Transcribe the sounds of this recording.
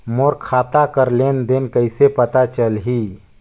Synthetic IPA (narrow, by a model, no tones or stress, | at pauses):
moɾkʰaːt̪akəɾlend̪enkəjsepət̪at͡ʃəlɦi